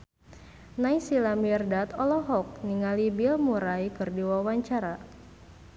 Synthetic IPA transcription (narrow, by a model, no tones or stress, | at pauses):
naisilamiɛrdat̪ɔlɔɦɔk̚niŋalibilmuɾajkɨrdiwawaɲt͡ʃaɾa